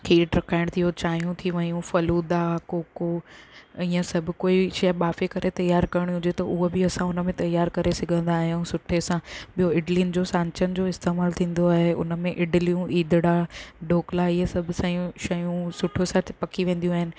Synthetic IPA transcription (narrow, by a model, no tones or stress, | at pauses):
kʰeːʈɾɐkʰaːɪɽ̃t̪ʰijot͡ɕaːjũt̪ʰiʋɐɲũfɐluːd̪akoːko | ĩãsɐbʱʊ̆koːiʃɐɓaːfekɐɾʔet̪ɐjaːɾkɐɾɪɽ̃iɦʊ̃d͡ʑet̪ɐʔʊɦobɪɐsãʊnəmẽt̪ɐjaːɾkɐɾesɪɡʱə̃nd̪aːɦijũsʊʈʰesãɓijoɪɖlind͡ʑoːsãːɲt͡ɕənɪ̆d͡ʑoːɪst̪eːmaːlt̪ʰĩːn̆d̪oaːɦeʊ̰nəmẽʔɪɖɪlijũʔiːd̪ʱɪɽaɖʱoːklaiɦəsɐbʱʊsãjũʃɐjũsʊʈʰosat̪ʰɪ̥pɐkʰiʋẽːn̆d̪ijũaːɦɪnɪ̆